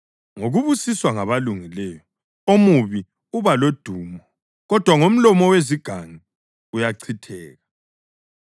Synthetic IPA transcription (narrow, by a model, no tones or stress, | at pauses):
ŋoɣuβusiswaŋaβaluŋilɛjɔ | omuβi | uβalod̥ʱuːmɔ | ɣɔd̥ʱwaŋom̩lɔmɔweziɡ̥ʱaŋi | ujaǀʰitʰɛːɣa